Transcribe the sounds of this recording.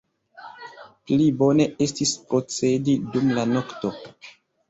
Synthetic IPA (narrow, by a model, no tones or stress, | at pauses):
plibo̞ne̞ʔe̞stispɾo̞t͡se̞didumlano̞kto̞